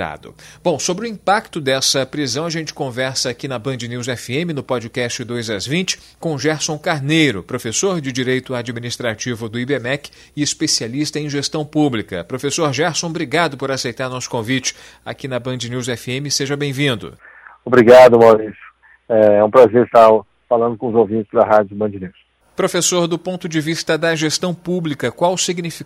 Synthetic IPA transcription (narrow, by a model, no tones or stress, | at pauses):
a̰d̪ʊ̰b̥õw̃sobɾɪʊĩpak̚t̪ʊd̪ɛsɐpɾizɐ̃w̃ɐʒẽnt͡ʃɪ̥kõvɛɾsɐakinɐbɐ̃nd͡ʒɪniwzɛfiẽmɪnʊpɔd͡ʒɪkɛst͡ʃɪd̪ojzazvĩt͡ʃɪ̥ | kõw̃ʒɛɾsõkaɾnejɾʊpɾofesoɾd͡ʒɪd͡ʒiɾejt̪ʊad͡ʒiminist̪ɾat͡ʃivʊd̪ʊibemɛk | ɪɪspesialist̪ɐẽj̃ʒest̪ɐ̃w̃publikɐpɾofesoɾʒɛɾsõbɾiɡad̪ʊpoɾasejt̪aɾnɔsʊ̥kõvit͡ʃɪ̥ | a̰kinɐbɐ̃d͡ʒɪnuwz̬ɛfiẽmɪseʒɐbẽj̃vĩnd̪ʊ̰ | obɾiɡad̪ʊmawɾisjʊ̥ | ɛɛũpɾazeɾɪst̪aɾ | falɐ̃nd̪ʊkõʊzowvĩt͡ʃɪzd̪ɐɦad͡ʒʊbɐ̃nd͡ʒiniws | pɾofesoɾd̪ʊpõnt̪ʊd͡ʒɪvist̪ɐd̪ɐʒest̪ɐ̃w̃publikɐkwawsiɡnifi